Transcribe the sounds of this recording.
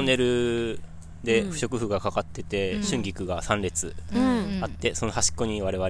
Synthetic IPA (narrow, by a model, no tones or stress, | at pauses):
ne̞ɾɯ̟ | d̪e̞ɸɯ̟ɕo̞kɯ̟ɸɯ̟ɡakakat̪ːe̞t̪e̞ɕɨ̃ŋɡʲikɯ̟ɡasãnɾʲe̞t͡sɨ | at̪ːe̞so̞no̞haɕi̥kːo̞ɲ̟iβaɾe̞βaɾ